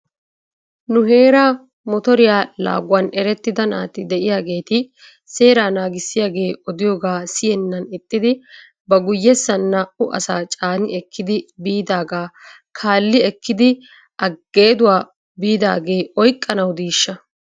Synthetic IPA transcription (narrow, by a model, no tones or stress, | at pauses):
nʊɦe̞ːɾaː | mɔt̪ɔɾɪjaːla̰ːɡwɐnɛɾɛt̪ːɪd̪ɐna̰ːt̪ɪd̪ɛʔɪjaːɡe̞ːt̪ɪ | se̞ːɾaːnaːɡɪsːɪjaːɡe̞ːɔd̪ɪjoːɡaːsɪjɛnːɐnɪt̪ʼːɪd̪ɪ | bɐɡʊjːɛsːɐnːaːʔʊʔɐ̰saːt͡ʃʼaːnɪɛkʰːɪd̪ɪbiːd̪aːɡaː | kʰaːlːɪɛkːɪd̪ɪ | ʔɐɡːe̞ːd̪ʊwaː | biːd̪a̰ːɡe̞ːɔjkʼːɐnɐwd̪iːʃːɐ